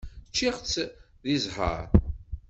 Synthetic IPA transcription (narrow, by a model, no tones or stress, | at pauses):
t͡ʃːiʁt͡s | ðizħə̰ɾ